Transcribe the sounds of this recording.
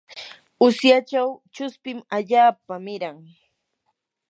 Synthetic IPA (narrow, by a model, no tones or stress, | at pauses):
ʊsjat͡ʃawt͡ʃʊspɪmaʎaːpamɪɾaŋ